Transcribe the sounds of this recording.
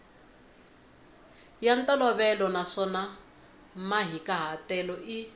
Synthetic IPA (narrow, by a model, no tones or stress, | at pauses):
jantʼɔlɔβɛlɔnaʂɔna | maɦikʼaɦatɛlɔʔi